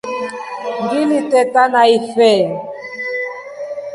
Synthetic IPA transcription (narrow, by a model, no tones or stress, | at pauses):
ndilitɛtanaifɛ